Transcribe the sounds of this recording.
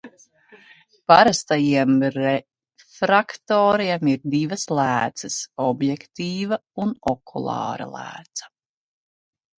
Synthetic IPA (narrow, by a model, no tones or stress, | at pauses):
paɾast̪ajiɛmɾɛ | fɾakt̪oːɾiɛmiɾd̪ivɐslˠæːt̪səsɔbjɛkt̪iːvɐunɔkʰulˠɑ̰ːɾa̰lˠæ̰ːt̪sɐ̥